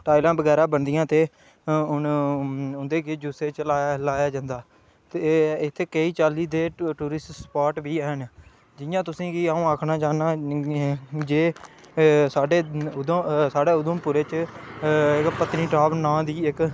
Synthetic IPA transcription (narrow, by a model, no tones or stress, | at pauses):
ʈaːilãːbəɡɛːɾãːbənd̪ɪjãːt̪eː | ʊn | ʊnd̪eːked͡ʒuseːt͡ʃlalaːjaːd͡ʒãːnd̪aː | t̪eɪt̪ʰːeːkəiːt͡ʃaːliːd̪eːʈuːɾɪsʈspaːʈbiːɛːn | d͡ʒɪjãːt̪ʊsĩːkiːaːũːaːkʰnaːt͡ʃaːnaː | d͡ʒeː | saːɖeːʊd̪saːɖeːʊd̪əmpuːɾeːt͡ʃ | kpət̪niːʈɾaːbnãːd̪iːɪk